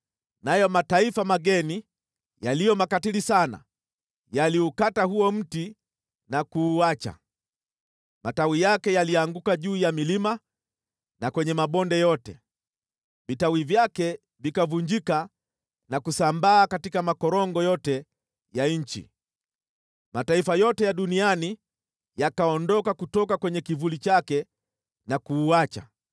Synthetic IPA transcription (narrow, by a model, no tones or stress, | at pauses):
najɔmataifamaɠɛni | jalijɔmakatilisana̰ | jaliukatahuɔm̩ti | nakuːat͡ʃa̰ | mʔatawijakɛjaliaŋɡukaʄuːjamilima | nakwɛɲɛmaɓɔndɛjɔtɛ̰ | vitawivjakɛ | vikavuɲd͡ʒika | nakusambaːkatikamakɔɾɔŋɡɔjɔtɛ | jaɲ̩t͡ʃḭ | mataifajɔtɛjaɗuniani | jakaɔndɔkakutɔkakwɛɲɛkivulit͡ʃakɛ | nakuːat͡ʃa̰